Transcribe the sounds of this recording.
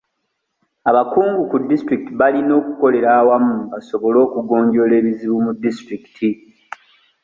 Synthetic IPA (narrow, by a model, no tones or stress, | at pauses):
aβakuːŋɡukudːistɾikitiβalino̞ːku̥ko̞le̞ɾaːwamuβaso̞βo̞lo̞ːkuɡo̞ːɲɟo̞le̞ːβiziβumudːistɾiki̥tʰi